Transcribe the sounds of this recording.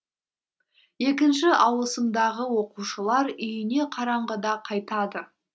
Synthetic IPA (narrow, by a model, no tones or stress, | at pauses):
je̞kʲɪnʃɪʔɑwəsəmd̪ɑʁəwo̞quʃəlˠɑɾʏjɪne̞qʰɑɾɑɴʁəd̪ɑqʰɑjt̪ɑd̪ə